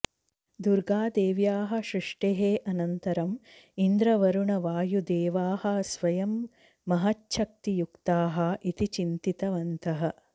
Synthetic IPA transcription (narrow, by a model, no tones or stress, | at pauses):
d̪uɾɡaːd̪eːʋjaːɦɐ̆ʃɾiʂʈeɦeːʔɐnɐnt̪ɐɾɐmind̪ɾɐʋɐɾuɳɐʋaːjud̪eːʋaːhɐ̆sʋɐjɐmː | ɐɦɐtːʃɐk̚t̪ijukt̪aːɦɐʔit̪it͡ʃint̪it̪ɐʋɐnt̪ɐɦɐ